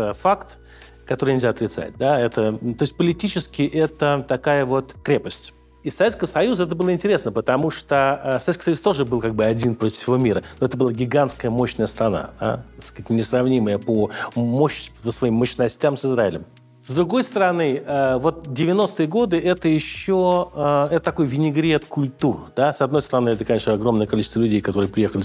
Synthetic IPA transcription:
əfakt̪ | kɐt̪oɾɨjnʲɪlʲzʲaɐt̪ɾʲɪt̪sa̰t̚ʲd̪aɛt̪ət̪o̞jɪsʲt̚ʲpəlʲɪtʲit͡ɕɪskʲɪʔɛt̪ət̪ɐkajəvo̞t̪kɾʲe̞pəsʲtʲ | isːɐvʲet̪skəvəsɐjuzəɛt̪̬əbɨlˠəɪnʲtʲɪɾʲesnəpət̪ɐmuʂt̪osɐvʲet̪kə̥jsɐjust̪o̞ʐɨbɨlˠkaɡ̚bɨɐdʲinpɾotʲɪ̥fsʲɪvo̞mʲiɾəno̞ɛt̪əbɨlˠaɡʲɪɡanskəjəmo̞ɕnəjəst̪ɾɐna̰d̪a̰t̪ɐskətʲnʲɪsrɐvnʲiməjəpomoɕpəsvɐimːəɕnɐsʲtʲamsɨzɾaɪlʲɪm | zd̪ɾʊɡo̞jst̪əɾɐnɨəvo̞t̪̚dʲɪvʲɪno̞st̪ɨjəɡo̞d̪ɨʔɛt̪əjɪɕːoəɛt̪ət̪ɐko̞jvʲɪnʲɪɡɾʲet̪kʊlʲt̪urd̪̥asɐd̪no̞jst̪əɾɐnɨɛt̪əkɐnʲeʂnɐɡɾo̞mnəjəkɐlʲit͡ɕɪst̪vəlʲʉdʲejkɐt̪o̞ɾɨəpɾʲɪjexəlʲɪ

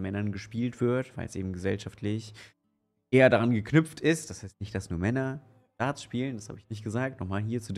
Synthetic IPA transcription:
nmɛnɐnɡəʃpiːltv̥ɪɐtv̥aɪlɛsʔḛːbm̩ɡəzɛlʃaftʰlɪç | ʔeːɐdaʁanɡəkʰnʏp͡ftɪstd̥ashaɪstnɪçt̚d̥asnuːɐmɛnɐ | d̥aːt͡sʃpiːlənd̥asha̰ːbəɪçnɪçt̚ɡ̥əzaːk̚tnɔχmaːlɦiːɐt͡sud

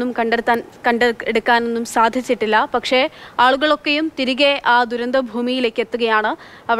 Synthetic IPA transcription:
umkɐɳɖɽt̪ːaːnkɐɳɖeeɽukːaːne̞nːumsaːd̪ʱjit͡ɕːiʈːilːɐpɐkʂe̞aːɭuɣɐɭo̞kːe̞jumt̪iɾiɣeʔaːd̪uɾɐnd̪ɐbʱuːmijile̞ːkːe̞t̪ːuɣɐjaːɳɨ | ɐʋ

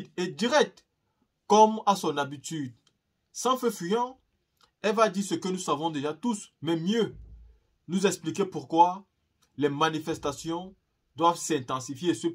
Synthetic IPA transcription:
d̪ɛd̪iʁɛk̚t̪ | kɔmasɔ̃nabit̪yd̪ | sɑ̃fɛfyjɑ̃ | ɛlvad̪isəkənusavɔ̃d̪eʒat̪usmɛmjø | nuzɛksplik̬epuʁkwa | lɛmanifɛst̪asjɔ̃ | d̪wavsɛ̃t̪ɑ̃sifjesø

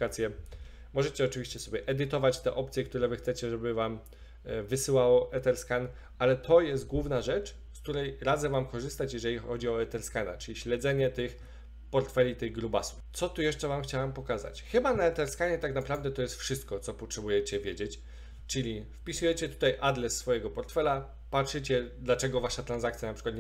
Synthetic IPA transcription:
kat̪sʲjɛ | mɔʐɛt͡ɕɛɔt͡ʂɘvʲiɕt͡ɕɛsɔbʲjɛʔɛd̪ɘt̪ɔvat͡ɕt̪ɛʔɔpt̪sʲjɛkt̪uɾɛvɘxt̪sɛt͡ɕɛʐɛbɘvam | vɘsɘwawɔʔɛt̪ɛɾskan | alɛt̪ʰɔjɛs̬t̪̚ɡwuvnaʐɛt͡ʂ | skt̪uɾɛjɾad̪zɛvamkɔʐɘst̪at͡ɕjɛʐɛlʲixɔd͡ʑiɔɛt̪ɛɾskana̰t͡ʂɘlʲiɕlɛd̪zɛɲɛt̪ɘx | pɔɾt̪fɛlʲit̪ɘɣɡɾubasu̥ft̪sɔt̪ujɛʂt͡ʂɛvamxt͡ɕawampɔkaza̰t͡ɕxɘbanaɛt̪ɛɾskaɲɛt̪aknapɾavd̪ɛt̪ɔjɛst̪fʂɘst̪̚kɔt̪sɔpɔtʂɛbujɛt͡ɕɛvʲjed͡ʑet͡ɕ | t͡ʂɘlʲifpʲisujɛt͡ɕɛt̪u̥t̪ajʔad̪lɛsːfɔjɛɡɔpɔɾt̪fɛla | patʂɘt͡ɕɛd̪lat͡ʂɛɡɔvaʂat̪ɾanzakt̪sʲjanapʂɘ̥kwat̪

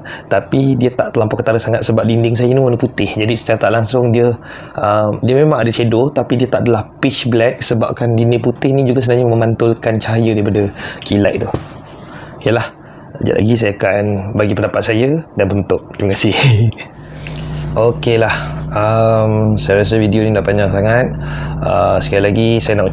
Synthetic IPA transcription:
t̪apidiət̪aʔt̪əlampakət̪aɾəsaŋat̪̚səbap̚dindɪŋs̬ajənionəput̪ɪhd͡ʒadisə̥t͡ʃaɾat̪aʔlaŋsʊŋdiə | əmdiəmemãŋadat͡ʃedot̪apidiət̪aʔadalahpit͡ʃblɛk̚səba̰p̚kandindɪŋput̪ɪhnĩd͡ʒuɡasənaɲəməmant̪ʊlkant͡ʃaɦajədaipadəkʰilaʔ̚t̪uh | kalah | d͡ʒa̰ʔlʔa̰ɡis̬ajaakanbaɡipəndapat̪̚sajədanbənt̪ʊk̚t̪iməkasɪh | ʔokelahəmsajaɾas̬əvidionilahpaɲaŋsaŋat̪̚əsə̥kajalaɡisajanaʔ

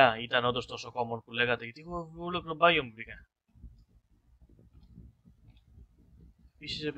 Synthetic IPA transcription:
ɐit̪ɐnond̪ost̪oso̞ko̞monpule̞ɣɐt̪eʝɐt̪iɣoulokt̪obɐʝomubikɐn | episise̞p

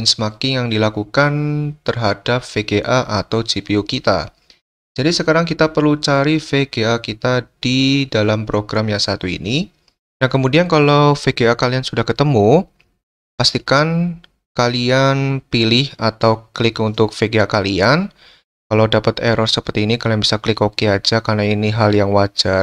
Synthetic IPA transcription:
nsəmakɪnjaŋdilakukant̪ərɦad̥ap̚feɡeʔaʔat̪awd͡ʒipiukit̪a̰ | d͡ʒ̥adisəkaɾaŋkit̪apərlut͡ʃaɾifeɡeakit̪ad̥idalampɾoɡɾamjaŋsat̪uḭni | dankəmudiankalawfeɡeakaliansudahkət̪əmu | past̪ikan | kalianpilɪhat̪awklɪkunt̪ʊk̚feɡeakalian | kalawdapət̪eɾɔrsəpərt̪iːnikalianbisaklɪkokead͡ʒakarnainiɦaljaŋwad͡ʒ̥ar

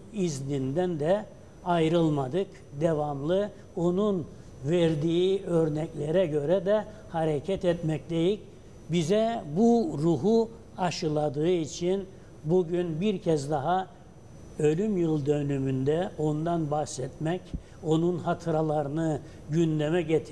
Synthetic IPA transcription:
iznind̪ænd̪ɛ | ajɾɯlˠmad̪ɯk | d̪evamlˠɯ | o̞nun | vɛɾd̪iːiø̞ɾnɛclʲeɾɛɟø̞ɾɛd̪ɛ | haɾecʰɛt̪ɛt̪mɛcd̪ejic | bizɛbuɾuɦu | aʃɯlˠad̪ɯɯit͡ʃʰin | buɟynbiɾcʰɛzd̪aɦa | ø̞lʲymjɯlˠd̪ø̞nymynd̪ɛo̞nd̪anbahsɛt̪mɛc | o̞nunhat̪ʰɯɾalˠaɾɯnɯ | ɟynd̪ɛmɛɟet̪ʰi

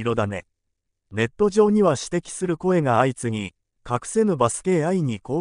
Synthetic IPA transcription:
iɾo̞d̪ane̞̰ | ne̞t̪ːo̞ʑo̞ːɲ̟iβaɕi̥t̪e̞kʲi̥sɨɾɯ̟ko̞e̞ɡaait͡sɨŋ̟i | kakɯ̟̥se̞nɯbasɨ̥ke̞ːaiɲ̟iko̞ː

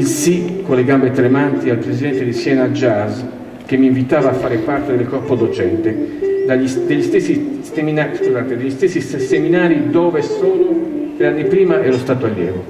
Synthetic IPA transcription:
ilsikolːeɡambet̪ɾemant̪ialpɾezid̪ɛnt̪ed̪isjɛnad͡ʒaz | kemːiɱvit̪aːvaːfːaːɾepart̪ed̪elkɔrpod̪ot͡ʃɛnt̪ed̪aʎːisd̪eʎːist̪esːi | eminaskuzaːt̪ed̪eʎːist̪esːisseminaːɾid̪ɔːvesoːnod̪ɾeanːipɾiːmaɛlost̪aːt̪oaʎjɛ̰ːɾo

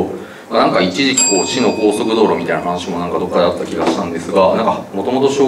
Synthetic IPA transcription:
manãŋkait͡ɕiʑikʲi̥ko̞ːt͡ɕino̞ko̞ːso̞kɯ̟d̪o̞ːɾo̞mʲit̪ainaɦanɕimo̞nãŋkad̪o̞kːad̪eat̪ːakʲiɡaɕi̥t̪ãnd̪esɨɡanãŋkamo̞t̪o̞mo̞t̪o̞ɕo̞ː

